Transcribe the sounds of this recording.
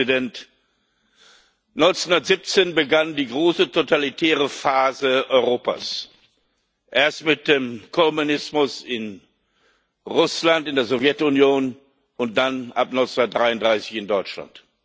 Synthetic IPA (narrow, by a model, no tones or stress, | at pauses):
idɛnt | nɔʏnt͡sʊndɐtz̥ip̚t͡seːnbəɡandiːɡʁoːsətʰotalitʰɛːʁəfaːzəʔɔʏʁoːpa̰s | ʔeːɐstmɪt̚d̥eːmkʰɔmunɪsmʊsɪn | ʁʊslantɪndeːɐzɔvjɛtʊnjoːn | ʊnt̚d̥anʔa̰pnɔʏnt͡snʊndɐt̚d̥ʁaɪʊntdʁaɪsɪçɪndɔʏt͡ʃla̰nt